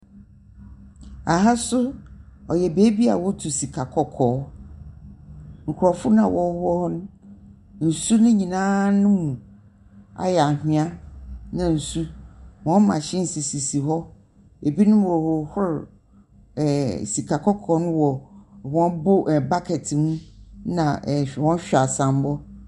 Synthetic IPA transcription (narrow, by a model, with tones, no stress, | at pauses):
a˨ɦa˦sʊ˦ɔ˨jɛ˨be˨˦bi˦a̰˨wɔ˦tʰu˨si˨kʰa˨kʰɔ˦kʰɔː˨˦ | ŋ̩˨kʰʊ˨ɾɔ˨fʊ˦ñ˦ã˨wʔɔ˦hɔ˦hɔ˦nʊ̃˦ | n̩˨su˦nʊ̃˦ɲĩ˨nãː˦nʊ̃˦mũ˨ | a̰˨jɛ˨a˨hɪ̃˦a˦nã˨n̩˨su˦wɔ̃˦m˦mã˨ɕɪ̃˦n̩˨si˨si˨si˨ɦɔ˦ | e˨bi˦nʊ̃˦wɔ˨wɔ˨hʊ˦ɾ | ɛ˨si˨kʰa˨kʰɔ˦kʰɔ˨˦nʊ̃˦wɔ˨wɔ̃˦bo˦ʔɛ˨ba˦kʰɛ˨tʰɪ˨mũ˦nã̰˨wɔ̃˦n˦ɕᶣa˨sã˨m˦bɔ˦